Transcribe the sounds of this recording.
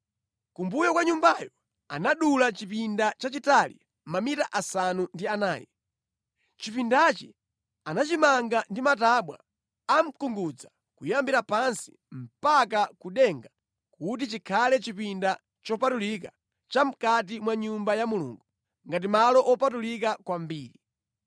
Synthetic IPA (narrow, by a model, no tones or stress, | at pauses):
kumbujɔkwaɲumbajɔ | a̰naɗulat͡ʃipindat͡ʃat͡ʃitalḭ | mamitaʔasanundiana̰ːjɛ̰ | t͡ʃipindat͡ʃi | anat͡ʃimaŋɡandimataɓwa̰ | am̩kuŋɡud͡za | kujambiɾapansi̥ | m̩pak̬akuɗɛŋɡa | kut̬it͡ʃikʰalɛt͡ʃipinda | t͡ʃɔpatulika | t͡ʃam̩kat̬imwaɲumbajamulṵːŋɡu | ŋɡat̬imalɔʔɔpatulikakwambiːɾi